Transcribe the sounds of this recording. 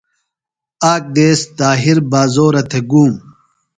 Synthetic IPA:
aːk̚d̪eːst̪aːɦiɾbaːzoːɾɐt̪ʰeɡuːm

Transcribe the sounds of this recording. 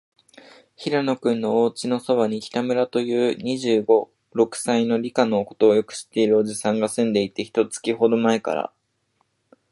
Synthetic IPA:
çiɾano̞kɯ̟̃nːo̞oːt͡ɕino̞so̞βaɲ̟ikʲi̥t̪amɯ̟ɾat̪o̞jɯ̟ːɲ̟iʑɨːɡo̞ | ɾo̞kɯ̟̥saino̞ɾʲikano̞ko̞̥t̪o̞ːjo̞kɯ̟̥ɕi̥t̪ːe̞iɾɯ̟oʑisãŋɡasɨ̃nd̪e̞it̪e̞çi̥t̪o̞t͡sɨ̥kʲiɦo̞d̪o̞maeka̰ɾa̰

